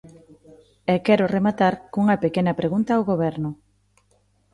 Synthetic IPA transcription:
ɛkɛɾʊremat̪aɾkuŋɐpekenɐpɾeɣunt̪awɣoβɛɾnʊ

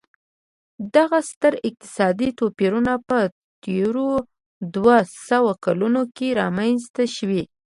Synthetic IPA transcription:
d̪aɣast̪əɾɪq̚t̪ɪ̥sɑd̪it̪opeɾunapə | t̪eɾo | d̪wasawakalunokeɾɑmanzt̪aʃwi

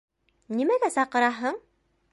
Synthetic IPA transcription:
nimæɡæsɑqɤ̆ɾɑɦɤɴ

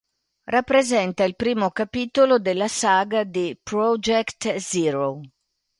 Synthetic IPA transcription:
rapːɾezɛnt̪ailpɾiːmokapit̪olod̪elːasaːɡad̪epɾɔd͡ʒɛkt̪ziɾo

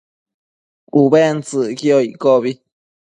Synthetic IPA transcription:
ubent͡sɨkioikoβi

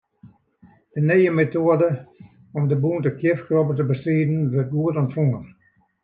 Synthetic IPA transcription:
d̥ənejəmetoədə | ɔmdəbuntəkʰjɪfkrɔpətəbəstriːdn̩ʋɪrt̚ɡuətɔntfɔŋən

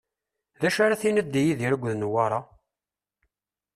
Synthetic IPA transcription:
ðæʃaɾæθinəd̪ːijiðiɾəɡʷːðnwaɾˤɑ

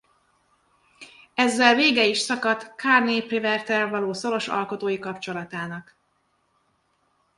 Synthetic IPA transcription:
ɛzːɛlveːɡɛiʃsɒkɒt̪kʰaːrneːprivɛrt̪ɛlvɒloːso̞ɾo̞ʃɒ̰lko̞t̪oːjikɒpt͡ʃo̞lɒt̪aːnɒk

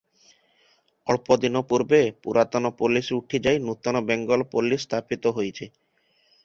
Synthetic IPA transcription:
ɔɭpod̪inɔpuɾbepuɾat̪ɔnɔpolisuʈʰid͡ʒajnut̪ɔnɔbɛŋɡɔlpolisːt̪ʰapit̪ɔɦojt͡ʃʰe

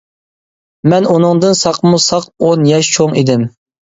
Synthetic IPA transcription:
mɛnunɨŋd̪ɨnsɑqʰmusɑq̚onjɛʃt͡ʃʰoŋid̪ɪm

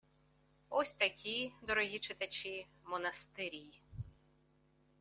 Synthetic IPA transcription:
ɔsʲt̪ɐkʲid̪ɔɾɔɦʲit͡ʃɪt̪ɐt͡ʃʲimɔnɐst̪ɪɾʲiji

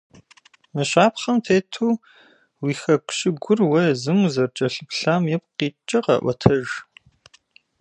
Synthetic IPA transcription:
mɨɕʷaːpχɐmtʰeːtʰuː | wiːxɐkʷʰʼɕɪɡʷʊrwɐjzɨŋzɐrt͡ʃʼɐɬɨpɬaːmjɛp̚qiːt͡ʃʼɐqɐ̰ʔʷɐtʰɐʒ

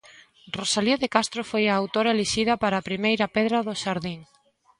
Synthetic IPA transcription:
rosaljoðekast̪ɾofojaːwt̪oɾaeleʃiðɐpaɾaːpɾimejɾɐpeðɾɐðʊʃaɾðiŋ

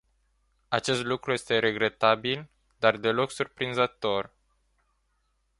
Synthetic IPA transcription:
at͡ʃe̞st̪lukɾuje̞st̪e̞ɾe̞ɡɾe̞t̪abil | d̪ard̪e̞lo̞ksurpɾinzət̪o̞r

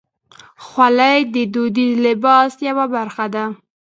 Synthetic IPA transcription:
xwalajd̪əd̪od̪izlɪbɑsjawabaɾxad̪a

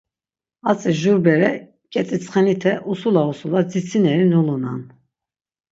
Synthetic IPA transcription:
at͡sʼɛʒuɾbɛɾɛ | kʼɛt͡sʼit͡sʰʼχɛnit̪ʰɛʔusulausulad͡zit͡sʰinɛɾinuluna̰n

